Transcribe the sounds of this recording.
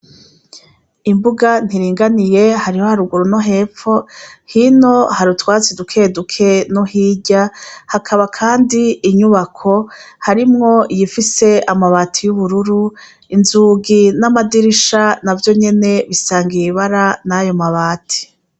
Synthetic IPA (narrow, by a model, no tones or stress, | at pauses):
imbuɡan̥hiɾiːŋɡanije̞haɾiho̞haɾuɡuɾunoɦe̞ːfo̞hino̞haɾutwaːt͡sidukʰedukʰe̞nohiːɟahakʰaβakʰaːndiiɲuβakʰo̞haɾimŋo̞ijifise̞amaβaːtʰijuβuɾuɾu | inzuːɡinamadiɾiʃanavjo̞ɲe̞ne̞βisaːŋɡijiβaɾanajo̞maβaːtʰi̥